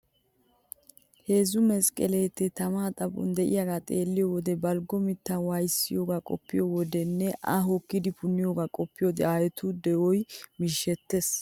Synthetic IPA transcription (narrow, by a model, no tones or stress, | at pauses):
he̞ːzʊmɛskʼɛleːt̪ːɛt̪ɐmaːt̪ʼɐbʼʊ̰nd̪ɛʔɪ̰jaɡaːt̪ʼe̞ːlːɪjɔwɔd̪ɛbɐlɡɔmɪt̪ːawɐjsːɪjoːɡakʼɔ̰pːɪjowɔd̪ɛnːɛʔɐ̰ɦɔkːɪd̪ɪpʊnːɪjoːɡakʼɔpːɪjod̪ɛaːjɛt̪ʰʊd̪ɛɔjmɪʃːɛt̪ːes